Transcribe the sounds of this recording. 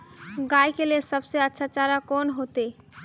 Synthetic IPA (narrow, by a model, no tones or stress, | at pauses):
ɡajkelelsəbseətːʃʰat͡ʃaɾakonɦot̪e